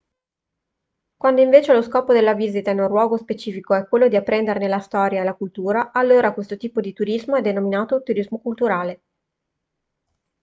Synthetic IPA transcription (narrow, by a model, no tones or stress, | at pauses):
kwand̪oiɱveːt͡ʃeloskɔːpod̪elːaviːzit̪aɛnunrwɔːɡospet͡ʃiːfikoɛkːwelːod̪iapːɾɛnd̪eɾnelast̪ɔːɾjaelakult̪uːɾaʔːlːoːɾakwest̪ot̪iːpod̪it̪uɾizmoɛd̪ːenominaːt̪ot̪uɾizmokult̪uɾaːle